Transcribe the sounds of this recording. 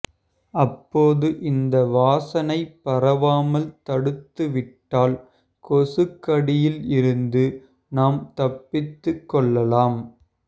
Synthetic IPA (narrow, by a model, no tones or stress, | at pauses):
ʔɐpːoːðɯʔɪnd̪ɐʋaːsɐnɐɪpːɐrɐʋaːmɐlt̪ɐɽɯt̪ːɯʋɪʈːaːl | kɔsɯkːɐɽɪjɪlɪɾɯnd̪ɯ | naːmt̪ɐpːɪt̪ːɯkːɔɭːɐlaːm